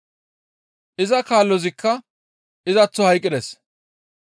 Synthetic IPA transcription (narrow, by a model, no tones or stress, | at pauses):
ʔɪzɐkaːlːɔzɪkʰːɐ | ɪzɐt͡sːɔhɐjkʼːɪd̪ɛs